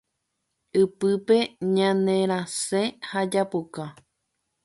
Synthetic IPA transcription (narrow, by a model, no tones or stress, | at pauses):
ɨpɨpe̞ɲãnẽɾ̃ãsẽhad͡ʒapuka